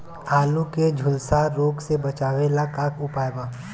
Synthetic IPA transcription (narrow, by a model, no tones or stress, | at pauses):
aːlũked͡ʒʱʊlsaɾoːɡsebɐt͡ʃaːʋelakaːkʊpaːebaː